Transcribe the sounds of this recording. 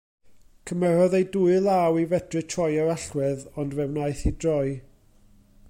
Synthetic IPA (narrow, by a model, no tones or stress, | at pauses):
kʰəmɛɾɔðejduːɨlˠawivɛd̥rɨtʰrɔjaɾaɬwɛðɔndvɛwnaɨθidrɔɨ